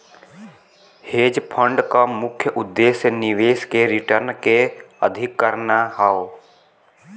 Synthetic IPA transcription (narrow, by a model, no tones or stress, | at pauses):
heːd͡ʒpʰə̃ɳɖkamʊkʰjəʔʊd̪ːeːsjnɪʋeːskeɾɪʈəɾnkeəd̪ʱɪkːəɾnaɦao